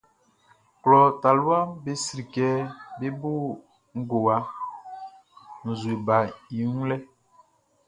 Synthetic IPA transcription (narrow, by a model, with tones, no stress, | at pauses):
klɔ˨ta˨lu˦a˦be˦si˨ɾi˨kɛ˦be˦bo˦ | ŋ̩˦ɡo˨wa˨˦ | n̩˨zu˨i˨ba˨i˨ũ˦lɛ˦